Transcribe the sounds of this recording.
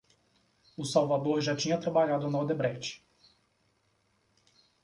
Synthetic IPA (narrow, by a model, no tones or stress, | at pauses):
ʊsawvad̪oɾʒat͡ʃĩɲɐt̪ɾabaʎad̪ʊnɔɾd̪ebɾɛt͡ʃɪ̥